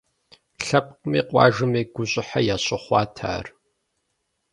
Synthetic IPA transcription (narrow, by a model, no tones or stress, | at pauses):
ɬɐp̚ʼqəmḭːqʷʼɑ̰ːʒɨmiːɡʷʊɕʼɪħajaːɕʼɪχʷɑːtʰa̰ːr